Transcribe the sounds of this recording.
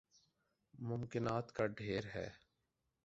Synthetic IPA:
mʊmkɪnaːt̪kaɖʱeːɾɦɛ̰ː

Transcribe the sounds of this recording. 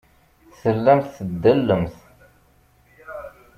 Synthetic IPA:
θəlːæmθθəd̪ːəlːəmθ

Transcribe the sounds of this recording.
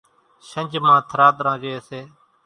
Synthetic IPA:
ʃənd͡ʒmãːt̪ʰɾaːt̪ɾãːd͡ʒeːseː

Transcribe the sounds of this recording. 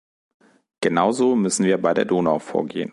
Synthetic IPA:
ɡ̥ənaʊzoːmʏsn̩viːɐbaɪdeːɐdoːnaʊfo̰ːɐɡḛːə̰n

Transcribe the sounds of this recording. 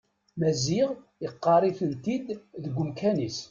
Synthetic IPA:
mæziʁ | ɪqːɑɾˤifənt̪id̪ðəɡʷːʊmkʰænis

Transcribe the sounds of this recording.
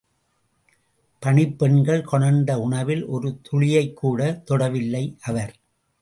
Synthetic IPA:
pɐɳɪpːɛɳɡɐɭkɔɳɐnd̪ɐʊɳɐʋɪlʔɔɾɯt̪ʰʊɭɪjɐɪkːuːɽɐt̪ɔɽɐʋɪlːɐɪʔɐʋɐɾ

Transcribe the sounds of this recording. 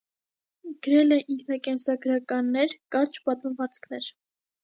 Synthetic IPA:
ɡ̥əɾɛlɛʔiŋkʰnɑkɛnsɑɡɾɑkɑnːɛɾkɑɾt͡ʃpɑt̪məvɑt͡skʰnɛɾ

